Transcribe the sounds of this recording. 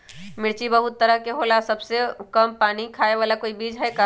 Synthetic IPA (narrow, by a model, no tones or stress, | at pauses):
mɪɽt͡ʃibɐɦʊt̪ːɐɾəɦkeɦoːlasɐbsekɐmpaːnikʰaːeʋaːlakoːibiːd͡ʒɦɛka